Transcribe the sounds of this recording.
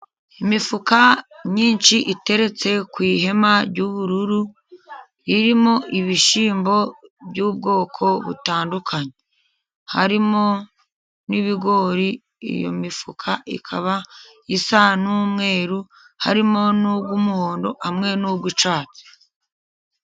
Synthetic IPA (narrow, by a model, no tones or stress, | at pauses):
imifukaɲiːnʃiʔite̞ɾe̞t͡se̞kwiːɦe̞maɾɟuːβuɾuɾu | iɾimo̞ʔiβiʃiːmbo̞bɟuːb̚ɡo̞ːkʰo̞βṵtaːndukʰaɲe | ha̰ɾimo̞ | niβiɡo̞ɾi | ḭjo̞̰mifukʰaḭkʰaβa | isanuːmŋe̞ːɾu | ha̰ɾimo̞nubɡumuhoːndo̞hamŋe̞nuːbɡut͡ʃaːt͡se̥